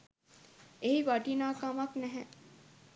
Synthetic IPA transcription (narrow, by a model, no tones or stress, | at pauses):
eɦiʋaʈinaːkamɐknɛɦɛ